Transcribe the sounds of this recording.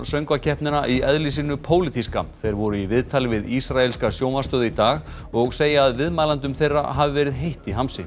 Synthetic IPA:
sœŋkvacʰɛhpnɪnaʔiɛðlisinːʏpʰoːwlɪt̪ʰiska̰θejɾvɔɾʏivɪðt̪ʰalɪvɪðisɾaɛlskasjoːwmast̪œːðɪit̪aːɣ | ɔɣseːjaaðvɪðmaːlant̪ʏmθejrːa̰ɦavɪvɛːɾɪðɦejht̪iɦamsɪ̰

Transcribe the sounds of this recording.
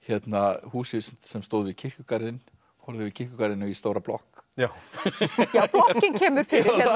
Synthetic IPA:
çɛt̪nahuːsɪsnsɛmst̪oːwðvɪðcʰɪr̥cʏkaɾðɪn | hɔɾðʏvɪðcʰɪr̥cʏkaɾðɪnʏist̪oːwɾaplɔ̰hk | jaːplɔhcɪncʰɛːmʏɾ̥fɪɾɪ

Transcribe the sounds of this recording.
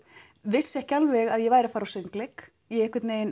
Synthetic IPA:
vɪsːɛhcalvɪɣaðjɛvaːjɾɪafaːɾawsɪŋklɪk | iɛɪhkvɪt̪neːjɪn

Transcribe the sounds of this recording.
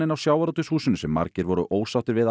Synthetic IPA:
ɪnawsjaːwaɾɔt̪ʏshuːsʏnsɛmːa̰ɾcɪɾvɔɾʏʔoːwsawt̪ɪɾvɪð

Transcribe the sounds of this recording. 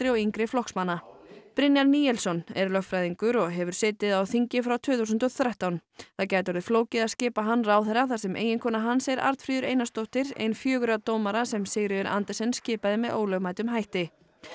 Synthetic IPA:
ɾɪɔiŋkɾɪflɔhksmanːapɾɪnjaɾniːjɛlsɔnɛɾlœxtfɾajðiŋkʏɾɔɣɦɛvʏɾ̥sɛːt̪ɪðawθiɲcɪfɾawt̪ʰʏːθuwsʏnt̪ɔθɾɛht̪awnθaðcaːjt̪vɔɾðɪfloːwcɪðaðscɪːpaɦanːraːwθɛɾaθasɛmʔḛːjɪnkʰɔːnaɦanːseɾa̰ɾt̪fɾiːðʏɾejnast̪owht̪ɪɾḛjnfjœːɣʏɾat̪oːwmaɾasɛmsɪɣɾɪðɪɾʔa̰nt̪ɛsɛnscɪːpaðɪmɛðʔoːwlœɣmaːjt̪ʏmɦajht̪ɪ

